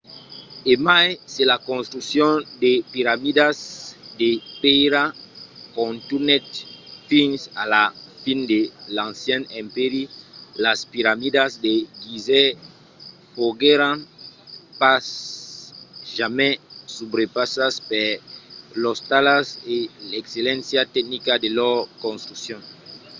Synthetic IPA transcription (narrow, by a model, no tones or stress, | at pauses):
emajselakɔ̃nst̪ɾuksjɔ̃depiɾamidazdepeɾakɔ̃nt̪unɛt̪fĩnsa̰lafindelãnsjɛ̃nɛ̃mpeɾilaspiɾamidasdeɡizɛ | foɡeɾãn | pas | ʒamɛ̃subɾepasaspɛ | lɔst̪alaselekselɛ̃nsjat̪ɛk̚nikadelɔkõnst̪ɾuksjɔ̃ŋ